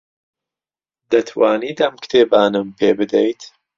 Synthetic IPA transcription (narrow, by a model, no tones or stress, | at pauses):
d̪ɐt̪ʰwaːniːd̪ɐmkʰɨ̥t̪ʰeːbaːnɨmpʰeːbɨd̪ejt̪